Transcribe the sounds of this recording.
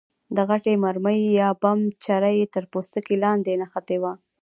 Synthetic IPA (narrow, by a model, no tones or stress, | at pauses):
d̪əɣaʈemaɾməjjɑbamt͡ʃaɾajet̪əɾpost̪əkilɑnd̪enaxat̪ewa